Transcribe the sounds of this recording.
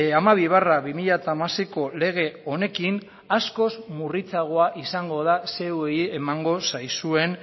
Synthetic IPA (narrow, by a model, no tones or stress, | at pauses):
amaβiβ̞araβimiʎat̪amasiko̞le̞ɣ̞e̞o̞ne̞kin | asko̞zmurit͡saɣ̞o̞aʔisaŋɡo̞ðase̞weie̞maŋɡo̞sajsue̞n